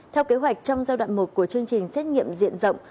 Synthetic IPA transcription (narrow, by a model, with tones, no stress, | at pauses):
t̪ʰɛ˧wke˨˦ɦwa˨˩jk̚t͡ɕɔ˧wŋ͡mzaː˧wɗa̰ː˧˨nmo˨˩t̚ku˧˩ət͡ɕɨ˧əŋt͡ɕï˨˩ŋ̟sɛ˦˥t̚ŋḭ˧˨əmzḭ˧˨ənzə̰˧˨wŋ͡m